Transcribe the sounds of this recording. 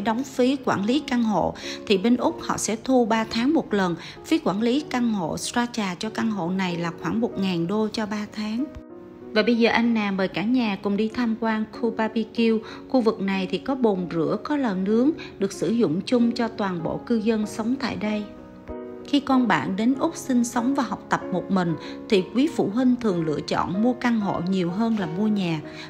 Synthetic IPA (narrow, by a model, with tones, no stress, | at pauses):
ɗɔ˨˦wŋ͡mfi˨˦kwaː˧˩nli˨˦ka˧ŋɦo̰˧˨t̪ʰi˨˩ɓe˧nʔʊ˦˥k͡p̚hɔ̰˧˨sɛ̰˧˥t̪ʰu˧ɓaː˧t̪ʰaː˨˦ŋmo˨˩t̚lə˨˩n | fi˨˦kwaː˧˩nli˨˦ka˧ŋɦo̰˧˨szaː˧t͡ɕaː˨˩t͡ɕɔ˧ka˧ŋɦo̰˧˨na˨˩jlaː˨˩xwaː˧˩ŋmo˨˩t̚ŋaː˨˩nɗo˧t͡ɕɔ˧ɓaː˧t̪ʰaː˨˦ŋ | vaː˨˩ɓə˧jzəː˨˩ʔa˧jŋ̟naː˨˩məː˨˩jkaː˧˩ɲaː˨˩kʊ̰˨˩ŋ͡mɗi˧t̪ʰaː˧mkwaː˧nkʰu˧paː˧pi˧ki˧w | xu˧vɨ˨˩k̚na˨˩jt̪ʰi˨˩kɔ˨˦ɓo˨˩nzɨ̰˧˩˥əkɔ˨˦ləː˨˩nɨ˨˦əŋɗɨ˨˩ək̚sɨ˧˩zʊ̰˧˨ŋ͡mt͡ɕʊ˧ŋ͡mt͡ɕɔ˧t̪waː˨˩nɓo̰˧˨kɨ˧zə˧nsə˨˦wŋ͡mt̪a̰ː˧˨jɗə˧j | xi˧kɔ˧nɓa̰ː˧˨nɗe˨˦nʔʊ˦˥k͡p̚sï˧ŋ̟sə˨˦wŋ͡mvaː˨˩ɦɔ˨˩wk͡p̚t̪ə˨˩p̚mo˨˩t̚mï˨˩ŋ̟t̪ʰi˨˩kwi˨˦fṵ˧˩ɦi˧ŋ̟t̪ʰɨ˨˩əŋlɨ̰˧˨ət͡ɕɔ̰˧˨nmu˧əka˧nɦo̰˧˨ɲi˨˩əwɦəː˧nlaː˨˩mu˧əɲaː˨˩